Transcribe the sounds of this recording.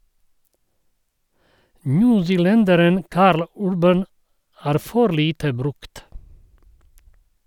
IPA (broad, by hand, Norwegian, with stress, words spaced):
ˈnʉːsɪˌlɛndəɾən ˈkɑːɾl ˈʉɾbən ˈæːɾ ˈfɔɾ ˈliːtə ˈbɾʉkt